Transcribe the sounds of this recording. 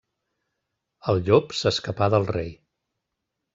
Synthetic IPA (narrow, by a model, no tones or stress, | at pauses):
əlˠʎopsəskəpaðəlˠrej